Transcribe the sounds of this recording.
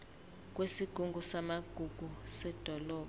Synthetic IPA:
k̬ʼwesiɡ̥ʱuŋɡʱusamaɡ̥ʱuɡ̥ʱusɛd̥ʱɔlɔː

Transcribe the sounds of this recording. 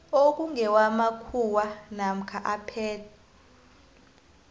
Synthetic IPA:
ok̬ʼuŋɛwamakʰuwanam̩kʰaʔapʰɛːtʰa

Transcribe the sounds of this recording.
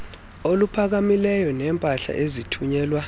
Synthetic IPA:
olupʰak̬amilɛjɔnɛːmpʼaɬa̰ʔezitʰuɲɛːlwa

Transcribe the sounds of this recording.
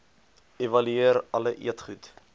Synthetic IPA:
evɐlyiəɾɐləʔḭətχut

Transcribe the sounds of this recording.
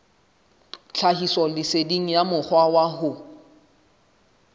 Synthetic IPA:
t͡ɬʰahisɔlɪsediŋ̩jamʊk͡xwawaɦʊ

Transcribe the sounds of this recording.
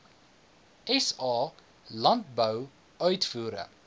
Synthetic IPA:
ɛsɑː | lɐnt̚bœw | œɥtfuːɾə̰

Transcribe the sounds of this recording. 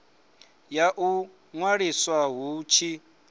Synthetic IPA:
jaʔu | ŋwaɺiswaɦut͡ʃʰi

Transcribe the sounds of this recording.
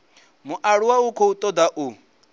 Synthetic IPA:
muʔaɺuwaukʰɔut̪ʼɔd̪aʔu

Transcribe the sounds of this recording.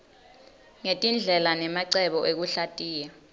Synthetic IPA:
ŋetʼind͡ɮʱɛlanɛmaǀɛɓɔʔek̬uɬatʼiːja

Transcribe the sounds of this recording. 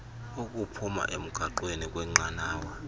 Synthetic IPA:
ukʼupʰuma̰ʔem̩ɡ̥ʱaǃwenik̬ʼwɛŋ͡ǃanaːwa

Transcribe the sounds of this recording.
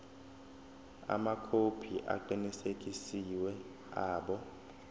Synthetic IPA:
a̰makʰopʰiʔa̰ǃinisek̬ʼisiwɛ | aːɓɔ

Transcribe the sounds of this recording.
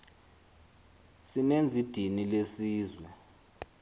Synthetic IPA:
sinend͡zʱid̥ʱinilesiːzwɛ

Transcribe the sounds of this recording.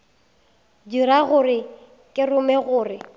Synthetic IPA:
diɾaɣʊrɪ | kʼɪrʊmɛɣʊːrɪ

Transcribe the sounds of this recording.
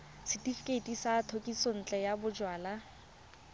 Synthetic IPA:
sɪtʼifi̥kʼeitʼisaːtʰokʼison̩t͡ɬʼɛjabʊd͡ʒwaːla

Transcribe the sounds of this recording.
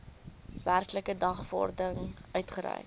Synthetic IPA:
værkləkədɐχfɔ̰rdəŋʔœɥtχəɾœ̰j

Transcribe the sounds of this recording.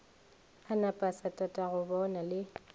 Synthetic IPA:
anapʼasatʼatʼaɣʊbɔnalɪ

